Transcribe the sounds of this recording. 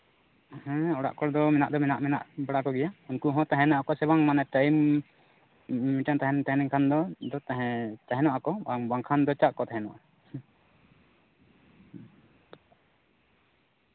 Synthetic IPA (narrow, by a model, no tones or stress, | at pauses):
hɛ̃ɔɽa̰ʔkɔɽd̪ɔmɛnaʔd̪ɔmɛnaʔmɛna̰ʔbaɽaʔkɔɡɛjaunkuɦɔ̃t̪aɦɛnaʔakɔsɛbaŋmanɛʈajm | iʈant̪aɦɛnt̪aɦɛnɛŋkʰand̪ɔd̪ɔt̪aɦɛ̃t̪aɦɛnɔʔakɔbaŋbaŋkʰand̪ɔt͡ʃaʔkɔt̪aɦɛnɔʔa